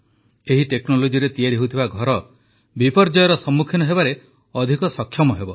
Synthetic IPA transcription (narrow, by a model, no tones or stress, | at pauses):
eɦiʈeknolod͡ʒiɾet̪ieɾiɦut̪ʰibaɡʱɔɾɔ | bipɔɾd͡ʒɔjɔɾɔsɔmːukʰinɔɦebaɾe | ɔd̪ʱikɔsɔkʰːjɔmɔɦebɔ